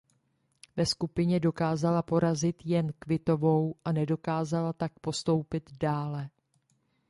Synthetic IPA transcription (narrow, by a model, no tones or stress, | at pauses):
vɛskupɪɲɛdo̞kaːzalapo̞ɾazɪt̪jɛnkvɪt̪o̞vo̞wʔanɛdo̞kaːzalat̪ak̚po̞st̪o̞wpɪd̪daːlɛ